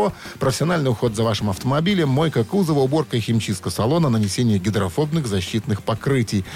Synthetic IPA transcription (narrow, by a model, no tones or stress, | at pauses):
o | pɾəfʲɪsʲɪɐnalʲnɨjʊxo̞t̪zɐvaʂɨmɐft̪əmɐbʲilʲɪmːo̞jkəkuzəvəʊbo̞rkəxʲɪmt͡ɕis̚kəsɐlˠo̞nənənʲɪsʲenʲɪjəɡʲɪd̪ɾɐfo̞bnɨɣzɐɕːit̪nɨxpɐkɾɨtʲɪj